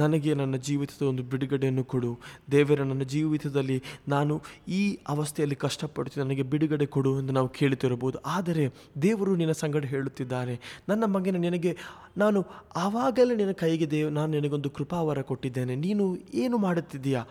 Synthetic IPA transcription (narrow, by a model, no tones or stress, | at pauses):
nɐnɐɡe̞nɐnːɐd͡ʒiːʋit̪ʰɐd̪ɐond̪ubiɽuɡɐɽejɐnːukoɽud̪ɛːʋɐɾenɐnːɐd͡ʒiːʋit̪ʰɐd̪ɐlːinaːnuiːɐʋɐst̪ʰɛjɐlːikɐʂʈɐpɐ̰ɽut̪inɐnɐɡe̞biɽuɡɐɽekoɽuend̪unaːʋukʰe̞ːɭit̪iɾɐboːd̪uʔaːd̪ɐɾe̞ | d̪eːʋɐɾuːninːɐsɐŋɡɐɽɐɦe̞ːɭut̪ːid̪ːaːɾe̞nɐnːɐmɐɡeneninɐɡe̞ | naːnuɐʋaːɡɐleninːɐkɐjɡid̪e̞naːnuninɐɡeo̞nd̪ukɾupaːʋɐɾɐkoʈːid̪ːe̞ːne̞niːnueːnumaːɽut̪ːid̪ijaː